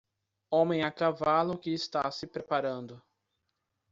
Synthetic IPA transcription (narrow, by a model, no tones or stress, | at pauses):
õmẽj̃akavalʊkɪːst̪asɪpɾepaɾɐ̃nd̪ʊ